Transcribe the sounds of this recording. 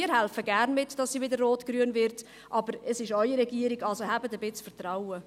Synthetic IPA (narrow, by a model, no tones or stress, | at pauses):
ɪːəɦɛlfəɡæːɾnmɪtd̥ɑsːiʋɪdərːoːtɡ̥ɾyːənvɪɾt | ʔɑbəɾəsɪʃœʏəɾɛɡiəɾɪɡɑlsohæbətəbɪt͡sfəɾt̪rawə